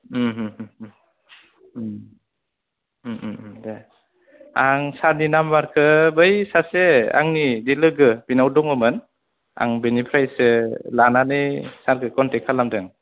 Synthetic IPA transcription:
ɦ | de | aŋsaɾninambaɾkʰɯbɯjsasea̰ŋnidilɯɡɯbinawdɔŋɔmɯn | a̰ŋbenipʰɾajsɯlananɯjsaɾɡɯkɔntɛkʰalamdɯŋ

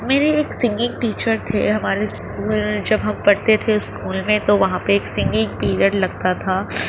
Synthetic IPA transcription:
meːɾeeːksɪ̃ŋɡɪ̃ŋɡ̚ʈiːt͡ʃəɾt̪ʰḛɦɐmaːɾeskuːld͡ʒɐbɦɐmpɐɽt̪et̪ʰeʊskuːlmẽt̪oʋɐɦãpeeːksɪ̃ŋɡɪ̃ŋɡ̚piːɾəɖlɐɡ̚t̪at̪ʰaː

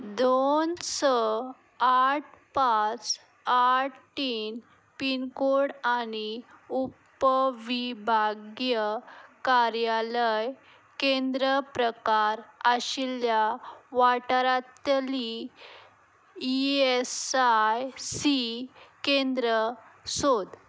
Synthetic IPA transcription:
d̪onsɔ | aʈ̚ʰpat͡s | aʈʈiːn | pinkoɽañiup | əʋibʱaɡjəkaɾjaləj | kend̪ɾəpɾəkaɾəɕiljaʋaʈəɾat̪li | iesajsikẽnd̪ɾəsod̪

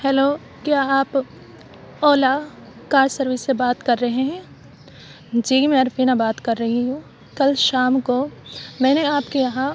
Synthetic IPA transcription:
hɛːloː | kjaːaːp | ɔːlakaːɾsɐɾʋɪsːebaːt̪kɐɾːɐɦeɦɛ̃ː | d͡ʒiːmɛ̃ɐɾfiːnabaːt̪kɐɾːɐɦiɦũː | kɐlʃaːmkomɛ̃ːneaːpkijɐɦã

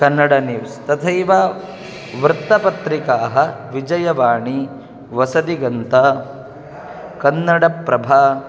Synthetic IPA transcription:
kɐnːɐɽɐniʋst̪ɐt̪ʰɐjʋaː | ʋɾɨt̪ːɐpɐt̪ɾikaːɦɐʋid͡ʒɐjɐʋaːɳi | ʋɐsɐd̪iɡɐnt̪ɐ | kɐnːɐɽɐpɾɐbʱaː

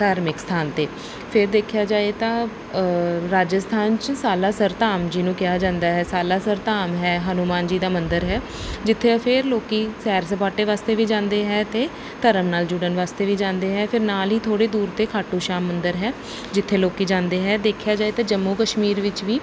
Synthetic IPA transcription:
t̪aːɾmɪkst̪ʰaːnt̪eː | pʰɪɾd̪eːkʰjaːd͡ʒaːet̪ãː | ɾaːd͡ʒəst̪ʰaːnt͡ʃsaːlaːsəɾt̪aːmd͡ʒinũːkɪjaːd͡ʒãːnd̪aːɦɛːsaːlaːsəɾt̪aːmɦɛːɦənuːmaːnd͡ʒiːd̪aːmənd̪əɾɦɛː | d͡ʒɪt̪ʰːeːpʰɪɾloːkiːsɛːɾs̬əpaːʈeːʋaːst̪eːʋiːd͡ʒãːnd̪eːɦɛːt̪eː | t̪əɾəmnaːld͡ʒʊɽənʋaːst̪eːʋiːd͡ʒãːnd̪eːɦɛːpʰɪɾnaːlɦiːt̪ʰoːɽeːd̪uːɾt̪eːkʰaːʈːũːʃaːmːənd̪əɾɦɛː | d͡ʒɪt̪ʰːeːloːkiːd͡ʒãːnd̪eːɦɛːd̪eːkʰjaːd͡ʒaːeːt̪ãːd͡ʒəmːuːkəʃmiːɾʋɪt͡ʃʋiː

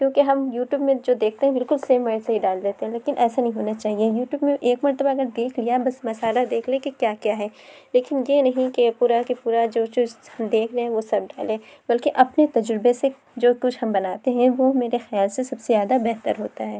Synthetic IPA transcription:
kjõːkeɦɐmjuːʈjuːbmẽd͡ʒoːd̪eːk̚ʰt̪eɦɛ̃bɪlkʊlseːmːɐɾsaɦiɖaːld̪eːt̪ẽɦɛ̃leːkɪnʔɛːsanɐɦĩɦoːnat͡ʃaːɦiejuːʈjuːbmẽʔeːkmɐɾt̪əbaɐɡəɾd̪eːkʰlijabɐsmɐsaːlad̪eːkʰlẽkekjaːkjaːɦɛːleːkɪnjenɐɦĩkepuːɾakepuːɾad͡ʒoːt͡ʃʊt͡ʃʰhɐmd̪eːkʰɾeɦɛ̃ʋosɐb̚ɖaːlẽːbɐlkeʔɐpnet̪ɐd͡ʒɾɪbese | d͡ʒoːkʊt͡ʃʰhɐmbɐnaːt̪eɦɛ̃ʋomeːɾexɪjaːlsesɐbsezjaːd̪abɛɦt̪ə̰ɾɦoːt̪aɦɛː

